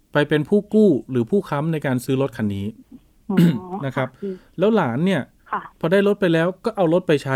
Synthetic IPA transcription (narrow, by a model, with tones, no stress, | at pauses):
pa˧jpe˧npʰuː˥˩kuː˥˩ɾɯː˩˦pʰuː˥˩kʰa˦˥mna˧jkaː˧nsɯː˦˥lo˦˥t̪̚kʰa˧nːiː˦˥ | na˦˥kʰa˦˥p̚lɛː˦˥wlaː˩˦nːi˥˩ɐ | pʰɔː˧daː˥˩jlo˦˥t̪̚pa˧jlɛː˦˥wkɔː˥˩ʔa˧wlo˦˥t̪̚pa˧jt͡ɕʰa˦˥